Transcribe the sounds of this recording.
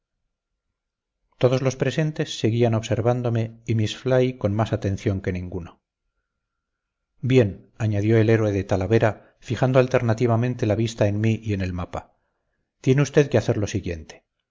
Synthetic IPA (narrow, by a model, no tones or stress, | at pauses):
t̪o̞ð̞o̞zlo̞spɾe̞se̞nt̪e̞sːe̞ɣiano̞βse̞ɾβand̪o̞meimisflajko̞nmasat̪ẽ̞n̟θjo̞ŋke̞nĩŋɡuno | bje̞n | aɲaðjo̞e̞le̞ɾweðe̞t̪alaβe̞ɾa | fixand̪oalt̪e̞ɾnat̪iβamẽnt̪e̞laβ̞ist̪aenmiʔie̞ne̞lmapa | t̪je̞neust̪e̞ðkeaθe̞ɾlo̞siɣje̞̰nt̪e̥